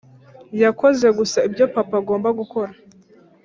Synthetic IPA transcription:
jako̞ze̞ɡusaibjo̞papaɡo̞ːmbaɡuko̞ɾa

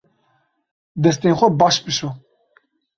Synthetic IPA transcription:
d̪ɛs̬t̪enxʷɛbɑːʃpɨʃo

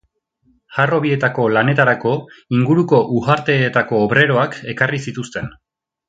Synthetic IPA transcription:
haro̞βie̞t̪ako̞lane̞t̪aɾako̞iŋɡuɾuko̞ʔuɣaɾt̪e̞t̪ako̞ːβɾe̞ɾo̞ake̞karisit̪ust̪e̞n

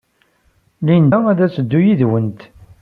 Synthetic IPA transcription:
lind̪ææðæt͡sːəd̪ːujiðwənt̪

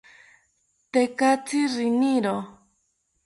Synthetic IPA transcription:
t̪ekat͡sirinĩɾo

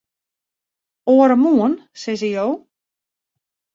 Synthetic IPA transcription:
oəɾəmuənsɛzəjow

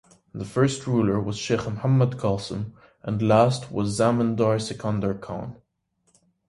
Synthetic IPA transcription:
ðəfɜ˞st̚ʰɹulˠə˞wʌz̥ʃeχmhamədkʰɑlˠsə̰̃m | ʔə̃nlæst̚ʰwʌzːæmə̃ndɑɹsɨkʰɑ̃ndəɹkʰɑ̰̃n

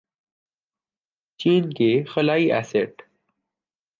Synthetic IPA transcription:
t͡ɕiːnkexɐlaːiʔæ̰ːseʈ

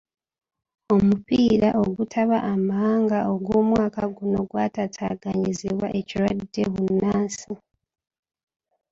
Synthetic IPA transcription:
o̞mupiːɾaʔo̞ɡutʰaβaʔːmaaːŋɡaʔo̞ɡwoːmwaːkaɡuno̞ɡwatatʰaːɡaɲiziβwaʔe̞ciɾwadːe̞βunaːnsi

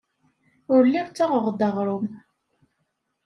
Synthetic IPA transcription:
ʊɾlːiɾt͡sːaʁəʁd̪əʁɾˤʊm

